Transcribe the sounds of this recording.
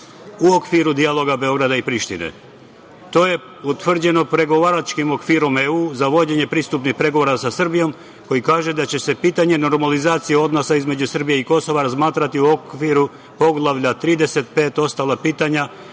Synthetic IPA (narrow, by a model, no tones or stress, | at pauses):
uokʋiɾud̪ialˠo̞ɡabe̞o̞ɡɾad̪aipɾiʃt̪ḭnḛ | t̪o̞ːje̞ | ut̪ʋr̩d͡ʑe̞no̞pɾe̞ɡo̞ʋaːɾat͡ʃkimo̞kʋiːɾo̞meuːzaʋo̞d͡ʑe̞ɲe̞pɾist̪upnixpɾe̞ɡo̞ʋo̞ɾasasr̩bijo̞m | ko̞jikaːʒe̞d̪at͡ɕe̞se̞piːt̪aɲe̞no̞ɾmalizaːt̪sijeo̞d̪no̞saizme̞d͡ʑusr̩bije̞iko̞so̞ʋaɾazmaːt̪ɾat̪iuo̞kʋiɾu | po̞ɡlˠaʋʎat̪ɾiːd̪e̞se̞t̪̚peːt̪o̞st̪alˠapiːt̪aɲa